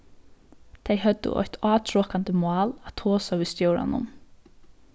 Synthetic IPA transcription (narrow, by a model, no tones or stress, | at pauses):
t̪ʰeɪɦœd̪̥ə̰ʔɔ̰çt̪ʰɑːt̪ʰɹoːkant̪əmʊɑːlat̪ʰoːsaʋist̪jœwɹa̰nʊ̰m